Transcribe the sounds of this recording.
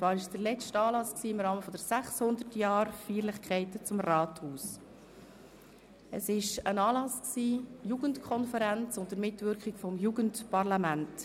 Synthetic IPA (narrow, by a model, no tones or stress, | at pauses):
t͡svɑːɾɪʃd̥əɾlɛt͡ʃtɑːlɑsksiːɪmɾɑːməfɔd̥əɾsæχshʊnd̪əɾtjɑːɾfiːɾləχkʰɛɪtət͡sʊmrɑːthuːs | ə̰sɪʃənɑːlɑsksiːjuːɡəntkʰɔnfəɾænt͡sʊntdəɾmɪtvʏɾkχɪɡfɔmjuːɡəntpɑrlɑmænt